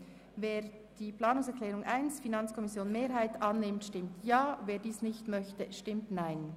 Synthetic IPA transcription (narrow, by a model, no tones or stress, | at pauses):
veːd̥iːpʰl̥aːnʊŋsɛɹklɛːɾʊŋʔaɪnsfinɑnt͡skʰɔmɪsjoːnmeːɾɦaɪtɑnːɪmtʃtɪmtjaːveːɐdiːsnɪçtmœçtəʃtɪmtnaɪn